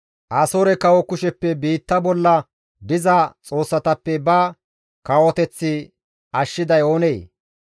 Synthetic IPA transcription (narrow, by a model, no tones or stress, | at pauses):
ʔaːsoːɾɛkɐwɔkʊʃɛpːɛbiːt̪ːɐbɔlːɐ | bɪzɐt͡sʼo̞ːsːɐt̪ɐpːɛbɐ | kɐwɔt̪ɛt͡sːɪ | ʔɐʃːɪd̪ɐjo̞ːneː